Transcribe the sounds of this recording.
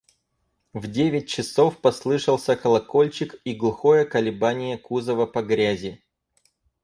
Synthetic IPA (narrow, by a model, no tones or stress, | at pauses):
vdʲevʲɪt̚ʲt͡ɕɪso̞fpɐslˠɨʂəlˠsʲəkəlˠɐko̞lʲt͡ɕɪkiɡlˠʊxo̞jəkəlʲɪbanʲɪjəkuzəvəpɐɡɾʲæzʲɪ